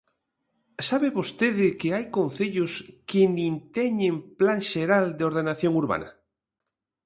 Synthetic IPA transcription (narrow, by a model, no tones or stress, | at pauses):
saβeβost̪eðɪkeajkõnθeʎoskenint̪eɲemplaŋʃeɾald̪eoɾðenaθjoŋuɾβa̰na̰